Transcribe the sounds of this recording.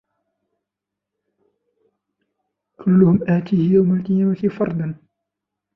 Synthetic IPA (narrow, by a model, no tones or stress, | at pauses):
kʰʊlːʊhʊmʔæːt̪iːhjawmalq̪ɪjawat̪ifɑɾˤd̪ˤɑn